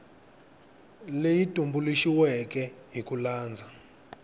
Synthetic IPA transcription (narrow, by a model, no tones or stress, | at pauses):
lejitʼumbuliʃiwɛk̬ʼɛɦikulaːnd͡zʱa